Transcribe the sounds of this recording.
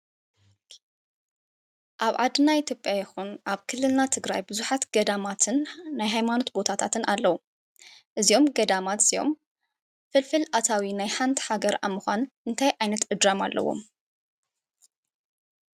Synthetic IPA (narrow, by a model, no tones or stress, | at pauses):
ʔaβʕad̪ɨnːaʔit̪ʰʲjopʼjajɛxunʔaβkʰɨlːɨlnat̪ʰɨɡɾajbɨzuħat̪ɡɐd̪amat̪ʰɨnːajɦajmano̞t̪bo̞t̪ʰat̪ʰat̪ʰɨnalːɐwu | ʔɨzijo̞mɡɐd̪amat̪sijo̞̰m | fɨlfɨlʔat̪ʰawinajħant̪ʰħaɡɐɾa̰mːɨxʷa̰nʔɨnt̪ʰajʔajnɐt̪ʔɨd̪ɾamalːɐ̰wo̞̰m